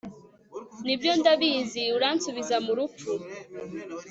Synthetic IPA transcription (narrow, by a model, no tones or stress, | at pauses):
nibjondaβiːziuɾaːnsuβizamuɾup͡fu